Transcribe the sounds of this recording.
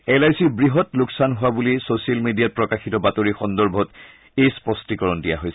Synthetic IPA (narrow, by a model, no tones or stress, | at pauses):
ɛlajsiɹbɹiɦɔtlʊksanɦʊwabulisosialmedijat̚pɹɔkaxitɔbatoɹixɔndɔɹbʱɔt | espɔstikɔɹɔndija̰ɦojsɛ